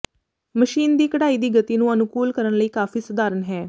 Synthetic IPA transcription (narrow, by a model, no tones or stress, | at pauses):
məʃiːnd̪iːkəɽaːiːd̪iːɡət̪iːnũːənʊkuːlkəɾənləiːkaːfiːsəd̪aːɾənɦɛː